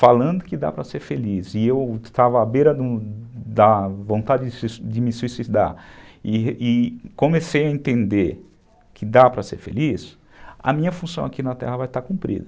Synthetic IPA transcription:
falɐ̃nd̪ʊkɪd̪a̰pɾɐseɾfelizɪewst̪avɐːbeɾɐd̪ʊd̪ɐvõnt̪ad͡ʒɪd͡ʒɪsd͡ʒɪmɪsuisid̪a̰ɾɪɪkõmesejɐẽnt̪ẽnd̪eɾ | kʰɪd̪apɾɐsḛɾfḛlis | ɐ̰mĩɲɐfũsɐ̃w̃akinɐt̪ɛ̰ɦɐvajt̪aɾkũpɾḭd̪ɐ

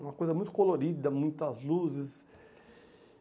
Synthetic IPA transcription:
ũmɐkojzɐmũj̃t̪ʊkoloɾid̪ɐmũj̃t̪ɐzluzɪs

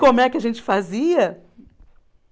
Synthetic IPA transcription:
kõmʊɛkɪɐʒẽnt͡ʃɪ̥faziɐ

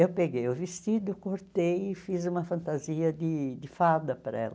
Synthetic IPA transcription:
ewpeɡejʊvɪst̪id̪ʊkoɾt̪ejɪfizũmɐfɐ̃nt̪aziɐd̪ɪd̪ɪfad̪ɐpɾɐ̰ɛ̰lɐ

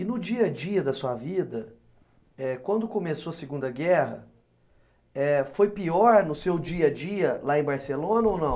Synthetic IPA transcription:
ɪnʊd͡ʒiɐd͡ʒiɐd̪ɐsuɐvid̪ɐ | ɛkwɐ̃nd̪ʊkõmesoɐseɡũnd̪ɐɡɛɦɐ̰ | ɛfojpiɔɾnʊsewd͡ʒiɐd͡ʒiɐlaẽbaɾselõnɐownɐ̃w̃

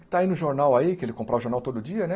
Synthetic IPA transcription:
kt̪ainʊʒoɾnawaikɪelɪkõpɾavʊʒoɾnawt̪od̪ʊd͡ʒiɐnɛ

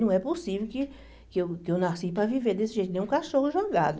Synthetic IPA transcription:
ɐ̃w̃ɛposivewkɪ | kɪewkɪewnasipɾɐviveɾd̪esɪʒejt̪nẽj̃ũkaʃohʊʒoɡa̰d̪ʊ

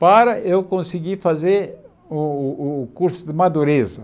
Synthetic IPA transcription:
paɾɐewkõsiɡifazeɾ | ʊkuɾsʊd̪ɪmad̪uɾezɐ

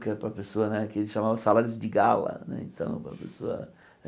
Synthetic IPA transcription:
kɛɾpɾɐpesoɐnɛkelɪʃamavɐsalaɾjʊzd̪ɪɡalɐ̰nɛ̰ḛ̃nt̪ɐ̰̃w̃pɾɐ̰pḛsoɐ̰

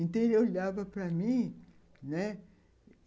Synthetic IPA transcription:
ĩnt̪ẽɾolavɐpɾɐmĩ | nɛ

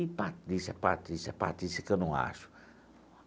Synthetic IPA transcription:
ipat̪d̪isapat̪d̪isapa̰t̪isikenɐ̃w̃a̰ʃu̥

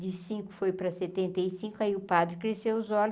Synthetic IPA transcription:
d͡ʒ̪ɪsĩkʊ̥fojpɾɐset̪ẽnt̪ɐjsĩkʊaiʊpad̪ɾɪkɾesewʊzɔlʊ

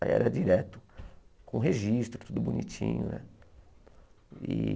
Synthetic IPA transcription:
ɛ̰ɾɐd͡ʒiɾɛt̪ʊ̥kõɦeʒist̪ɾʊt̪ud̪ʊbunit͡ʃḭ̃ɲʊnɛ̰ | i

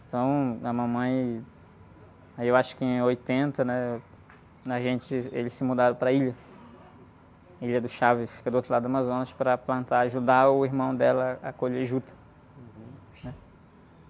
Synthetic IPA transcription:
ẽt̪ɐ̃w̃ɐmɐ̃mɐ̃j̃ | aiewaʃʊ̥kɪẽojt̪ẽnt̪ɐnɛ | ɐʒẽnt͡ʃɪelɪsɪmud̪aɾɐ̃pɾɐiʎɐ | iʎɐd̪ʊʃavɪfi̥kɐd̪ʊot̪ɾʊlad̪ʊũmazõnɐspɾɐplɐ̃nt̪aaʒud̪aʊiɦmɐ̃w̃d̪ɛlɐakoʎeʒut̪ɐ̥ | nɛ

